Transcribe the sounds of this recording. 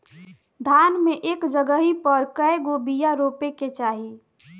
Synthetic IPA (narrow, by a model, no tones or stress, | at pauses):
d̪ʱaːnmeʔeːkd͡ʒəɡəɦipəɾkəeɡobijaɾoːpeket͡ʃaːɦi